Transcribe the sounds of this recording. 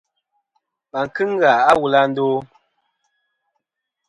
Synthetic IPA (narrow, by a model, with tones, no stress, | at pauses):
ma˨ŋ̩˨kɨ˦ŋ̩˦ɡa˨a˦wu˨la˦n̩˦doː˦